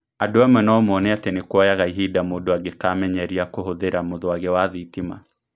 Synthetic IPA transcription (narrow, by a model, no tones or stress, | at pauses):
adoamwɛnaɔmɔnɛatɛnikuajaɣaiɦidamodoaɣekaːmɛɲɛɾiakoɦoðeɾamoðɔaɣewaðitima̰